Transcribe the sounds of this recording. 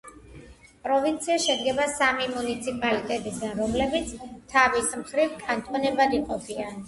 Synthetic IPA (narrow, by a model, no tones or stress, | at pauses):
pʼɾɔvint̪sʰiaʃɛd̪̚ɡɛbasamimunit̪sʰipʼalit̪ʼɛt̪ʼisɡanɾɔmlɛbit̪sʰt̪ʰavismχɾivkʰʼant̪ʼɔnɛbad̪iqʼɔpʰia